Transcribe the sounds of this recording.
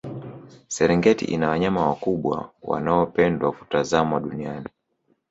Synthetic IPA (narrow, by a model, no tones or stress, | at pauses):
sɛɾɛŋɡɛtḭʔḭnawaɲamawakuɓwa̰wa̰naɔpɛndwakutazamwaɗuniani